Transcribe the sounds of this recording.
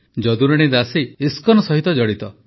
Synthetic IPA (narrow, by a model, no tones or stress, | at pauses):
d͡ʒɔd̪uɾeɽ̃id̪asiːskɔnɔsɔɦit̪ɔd͡ʒɔɽit̪ɔ